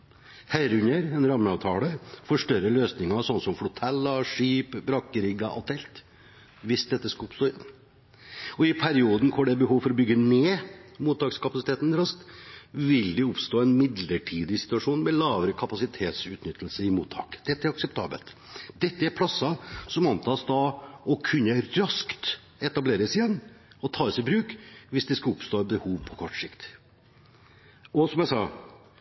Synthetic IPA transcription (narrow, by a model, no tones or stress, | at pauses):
hæɪɾʉɲəɾɛnɾɑmːəɑːʋt̪ʰɑːləɾfɔʂʈœɾəløːsnɪŋɑsɔnːsɔmfɽʊt̪ʰɛlːɑʂiːpbɾɑkəɾɪɡɑʔɑ̰lt̪ɛlt̪ | ʋɪsd̪ɛt̪ːəskɑlʊpst̪oːɪn | ɔɪpʰæɾɪuːd̪nkʰoːɖɛbəhuːʋfɔɾɔbʏɡːəneːmuːt̪ʰːɑːkskʰɑpɑsɪt̪eːt̪nɾɑst̪ʋɪld̪ɛʊpst̪oːɛnmɪd̪ləʈʰiːd̪ɪsɪ̥t̪ʉɑʂuːnmɛlɑːʋəɾəkʰɑpɑsɪt̪ʰeːt̪sʉːt̪nʏt̪ːəlsəɾɪmuːt̪ʰɑ̰ːkd̪̥ɛt̪ːəæɾɑksɛpt̪ʰɑ̰ːbə̰lt̪d̪ɛt̪ːəæɾpʰlɑsːɑsɔmɑnt̪ʰɑːsd̪ɑɔkʰʉnːəɾɑskt̪ | ɛt̪ɑbleːɾəsɪjɛnːɔt̪ʰɑːəsɪbɾʉːkʋɪsd̪ɛskɑʊpst̪oːɛbəhuːʋpʰɔkʰɔʈːsɪkt̪ | ɔsɔmjæɪsɑ̰ː